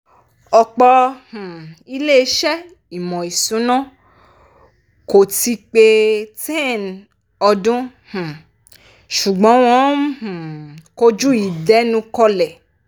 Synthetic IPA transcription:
ɔ˨k͡pɔ˧h̩˨i˦le˦ʃɛ˦ | i˨mɔ̃˨i˨sũ˨˦nɔ̃˦ | ko˨ti˧˦k͡pe˧tẽ˦˨n | ɔ˧dũ˦ | h̩˨ | ʃu˨ɡ͡bɔ̃˨˦w̃ɔ̃˦h̩˨ko˦d͡ʒu˦i˨dɛ˨˦nũ˧˦kɔ˧lɛ˨

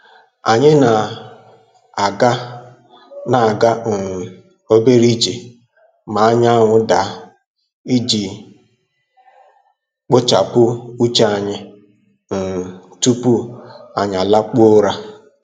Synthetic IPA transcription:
a˨ɲɪ˦na˨ | ɡa˦ | na˨a˨ɡa˦ŋ̩˨ | o˦be˦ɾi˦d͡ʒe˨ | ma˨a˦ɲ˦a˦ŋʷʊ˦da˨ | i˦d͡ʒi˨ | k͡pʊ˦t͡ʃa˨pʊ˦u˦t͡ʃa˦a˨ɲɪ˦ | ŋ̩˨tu˦pu˦a˨ɲ˨a˨la˦k͡po˦ɾa˦

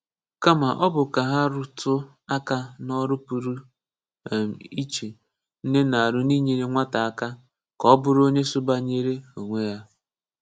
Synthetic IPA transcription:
ka˦ma˨ʔɔ˦bʊ˨ka˨ɦa˦ɾʊ˨tʊ˦ | a˦ka˦nɔ˦ɾʊ˦pu˨ɾu˦˨ | m˨i˦t͡ʃe˨ | n̩˦ne˦na˨a˨ɾʊ˦ni˦ɲe˨ɾe˦ŋʷa˦ta˨a˦ka˦ | kɔ˦bʊ˨ɾo˦ɲe˦sʊ˦ba˦ɲe˦ɾe˦o˨ŋʷe˦ja˦

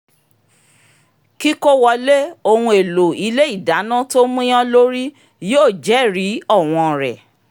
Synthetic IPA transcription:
ki˦ko˦wɔ˧le˦o˧hũ˧e˨lo˨i˨˦le˦i˦˨da˨˦nã˦to˦mũ˦j̃ã˦lo˦ɾi˦ | joː˦˨d͡ʒɛ˨˦˨ɾi˨˦ɔ˦˨w̃ɔ̃˧˨ɾɛ̰˨

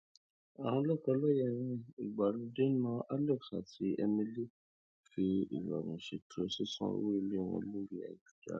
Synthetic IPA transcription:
a˨w̃ɔ̃˧lɔ˦˨kɔ˧lɔ˦jɛ˦˨ɾ̃ĩ˦i˨ɡ͡ba˨ɾũ˧de˦nã˦ʔa˦lɛ˦˨ksa̰˨ti˨˦ɛ˧mĩ˦li˦ | fi˨˦ḭ˨ɾa̰˨ɡũ˨ʃe˨tɾe˧˦si˦sã̰˦˨we˦i˧le˦˨w̃ɔ̰̃˧lu˦ɾi˦a̰˨d͡ʒu˦d͡ʒa̰˦

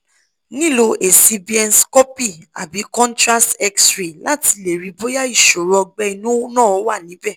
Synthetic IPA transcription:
nĩ˦˨lo˧ʔe˨si˧bi˨ɛ˧nskɔ˦pi˦˨a̰˨bi˨˦kɔ̃˦ntɾa˦stɛ˧ksɾe˨la˦ti˧˦le˨ɾi˨˧bo˦ja˦i˦˨ʃo˨ɾɔ˧ɡ͡bɛ˧i˧nũ˦nãː˦˨ɔ˨˦wa˦˨nĩ˨˦bɛ˦˨

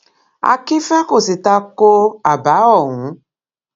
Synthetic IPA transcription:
a̰˨ki˦fa˦ko˦˨si˨ta˦ko˦a˨ba˨˦ɔ˦˨ŋũ˨˦

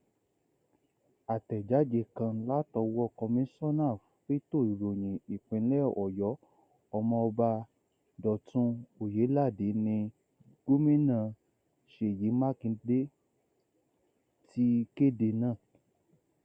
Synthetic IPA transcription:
a˨tɛ˨d͡ʒa˨˦d͡ʒe˧˨kã˧la˦tɔ˧wɔ˦˧kɔ˧mĩ˦sɔ˦nã˦˨ffe˦to˦˨i˨ɾo˨ɲ̃ĩ˨i˨k͡pĩ˨˦lɛ˦˨ɔ˨jɔ˨˦ | ɔ˧mɔ̃˧ɔ˧ba˧ | dɔ˨tũ˧˦o˨je˨˦la˦˨de˨˦nĩ˧ | ɡ̥o˦mĩ˦nã˦˨ | ʃe˨ji˨˦mã˦kĩ˧de˦ | ti˦ke˦de˧nãː˦˨

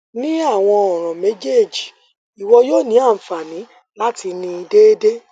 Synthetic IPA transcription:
nĩ˦a˦˨w̃ɔ̃˧ɔ˨ɾ̃ɔ̃˨me˦d͡ʒe˦˨d͡ʒi˨ | i˨wɔ˧joː˦˨nĩ˨˦a˦˨fa˨nĩ˨˦ | la˦ti˧nĩ˧i˧de˦de˦

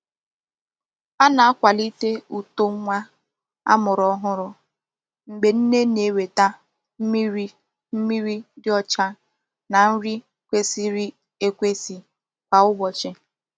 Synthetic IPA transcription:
pa˦na˨a˦kʷa˨li˦te˦u˨to˦ŋ˦ŋʷa˦ | a̰˦mʊ˨ɾɔ˦ɦʊ˦ɾʊ˦ | ŋ͡m̩˨ɡ͡be˨n̩˦ne˦ne˨we˨ta˦ | m̩˦mi˦ɾi˦ | m̩˦mi˦ɾi˦dɪ˦ɔ˦t͡ʃa˦ | na˨n̩˦ɾi˦ | kʷe˦si˦ɾi˦ | e˦kʷe˦si˨ | k͡pa˨ʊ˦bɔ˨t͡ʃɪ˦

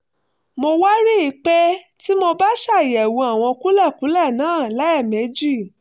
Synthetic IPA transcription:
mo˧wa˦ɾi˦i˨˧˦k͡pɛ˦ | ti˦mo˧ba˦ʃa˦˨jɛ˨wũ˧a˨w̃ɔ̃˧ku˦lɛ˦˨ku˨˦lɛ˦˨nãː˨˦˨la˨˦ɛ˦˨mẽ˨˦d͡ʒi˦˨

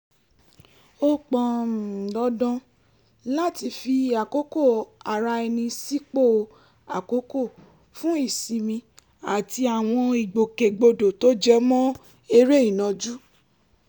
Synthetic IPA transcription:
o˦k͡pɔ̃˨m˨lɔ˧dɔ̃˧ | la˦˨ti˧fi˧a˨ko˨˦ko˦˨a˨ɾa˧ɛ˧nĩ˧si˦k͡po˦˨ | a˨ko˨˦ko˦˨ | fũ˦i˦˨si˨mĩ˧ | a˨ti˧a˨w̃ɔ̃˧i˨ɡ͡bo˨ke˨ɡ͡bo˧do˨to˦d͡ʒɛ˦mɔ̃˦ | e˧ɾe˦i˦˨nɔ̃˨˧d͡ʒu˦

